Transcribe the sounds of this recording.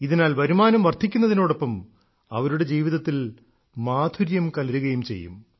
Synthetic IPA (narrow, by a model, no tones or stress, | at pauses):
iðinaːlʋɐɾumaːnɐmʋɐrd̪ʱikʲːunːɐðino̞ːɽopːɐm | ɐ̰ʋɐɾuɽe̞d͡ʑiːʋiðɐt̪ːil | maːd̪ʱuɾjɐmkɐlɐɾuɣɐjumt͡ɕe̞̰jːṵm